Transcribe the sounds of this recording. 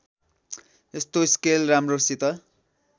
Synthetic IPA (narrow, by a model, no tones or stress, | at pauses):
est̪oiskelramrosit̪ʌ